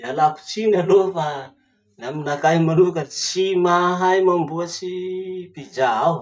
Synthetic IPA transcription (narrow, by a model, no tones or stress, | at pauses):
alapu̥t͡ʃinalofa | naminakaɦimanuvakət͡ʃimaɦajmambuat͡ʃipid͡ʒaaw